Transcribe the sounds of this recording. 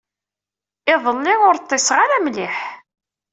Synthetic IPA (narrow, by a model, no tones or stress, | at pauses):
ɪðˤəlːɪʊɾt̪ˤːesʁaɾæmlɪħ